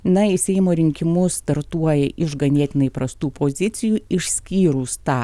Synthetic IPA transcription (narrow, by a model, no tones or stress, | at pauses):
nɐɪsʲɛɪmoːɾʲɪŋʲkʲɪmʊst̪ɐɾt̪uɔjɛʔɪʒɡɐnʲeːt̪ʲɪnɐɪpɾɐst̪uːpoːzʲɪt̪sʲɪjuːɪʃʲsʲkʲiːɾuːst̪ɑː